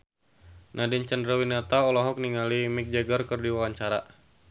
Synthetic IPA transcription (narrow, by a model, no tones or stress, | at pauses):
nʔadint͡ʃandɾawinat̪aɔlɔɦɔk̚niŋalimik̚d͡ʒaɡərkərdiwawaɲt͡ʃaɾa